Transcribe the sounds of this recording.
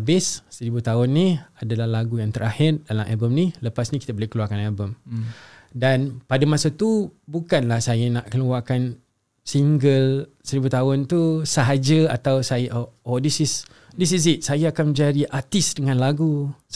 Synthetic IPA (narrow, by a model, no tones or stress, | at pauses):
bɪssəɾibut̪aʊnːiadalahlaɡujaŋt̪əɾʔahɪrdalamʔabəmniləpasnikit̪abolekəluarkanabəm | danpadamasat̪ubukanlahsajanaʔkəluarkan | siŋɡəl | səɾibut̪aʊnt̪usəɦad͡ʒəa̰t̪awsajaʔoodisɪs | dis̬is̬it̪̚sajaːkanmə̃d͡ʒadiʔat̪isdəŋãnlaɡu